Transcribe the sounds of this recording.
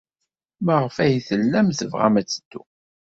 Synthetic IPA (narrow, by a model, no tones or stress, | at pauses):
mæʁəfæjθəlːæmθəvʁa̰mæt͡sːə̥d̪ːṵ